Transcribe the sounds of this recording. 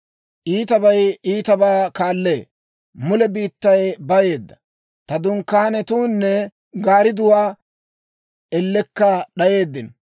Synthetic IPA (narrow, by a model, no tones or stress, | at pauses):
ʔiːt̪ɐbɐjiːt̪ɐbaːkaːlːe̞ː | mʊlɛbiːt̪ːɐjbɐje̞ːd̪ːɐ | t̪ɐd̪ʊŋkːaːnɛt̪uːnːɛ | ɡaːɾɪd̪ʊwaː | ɛlːɛkːɐɗɐje̞ːd̪ːɪn